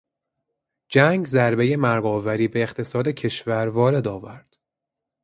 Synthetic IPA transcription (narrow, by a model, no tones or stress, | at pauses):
d͡ʒæŋɡzæɾbe̞je̞mæɾɡɒːvæɾiːbe̞ːxt̪ʰe̞sɒːd̪e̞cʰe̞ʃvæɾvɒːɾe̞d̪ɒːvæ̰ɾd̪̥